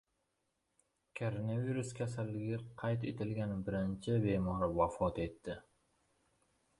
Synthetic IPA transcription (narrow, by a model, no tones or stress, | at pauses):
kʰoɾonaviɾʊskʲʰasalːɪɡʲɪqʰɑjt̪et̪ʰɪlɡʲanɪbɪɾɪnt͡ʃʰɪbemɒɾɪvafɒt̪e̞t̪ːɪ